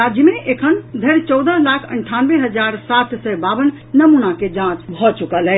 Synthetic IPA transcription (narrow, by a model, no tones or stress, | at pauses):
ad͡ʒəmeʔekʰənd̪ʱəɾt͡ʃɔwd̪əlakʰə̰ɳʈʰanbeɦəd͡ʒaɾsat̪ʰsəbabənːəmunaked͡ʒãt͡ʃbʱɔt͡ʃukəlɛ